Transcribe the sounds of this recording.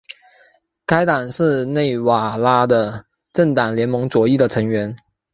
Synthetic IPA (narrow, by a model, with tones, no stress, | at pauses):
ka˥ɪt̪a˨˩ŋʂɻ̩˥˧ne˥˩ɪwa˨˩la˥d̪ə˧ | ʈ͡ʂə˥˩ŋt̪a˨˩ŋljɛ˧˥nmɤ˧˥ŋt͡swɔ˨˩i˥˩d̪ə˩ʈ͡ʂʰɤ˧˥ŋɥɛ˧˥n